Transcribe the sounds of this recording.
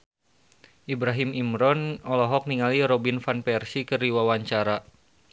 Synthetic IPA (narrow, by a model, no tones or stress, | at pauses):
ʔibɾaɦimimɾɔnɔlɔɦɔk̚niŋaliɾɔbinfanpɛrsikəriwawaɲt͡ʃaɾa